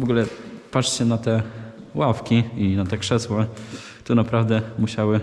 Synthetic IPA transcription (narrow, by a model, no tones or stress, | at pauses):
vɔɡulɛpat͡ʂt͡ɕɛnat̪ɛwafkʲiinat̪ɛkʂɛswa | t̪ɔnapɾavd̪ɛmuɕawɘ